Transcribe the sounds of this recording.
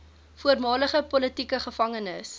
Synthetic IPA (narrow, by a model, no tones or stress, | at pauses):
fuərmɑːləχəpɔlətikəχəfɐŋənəs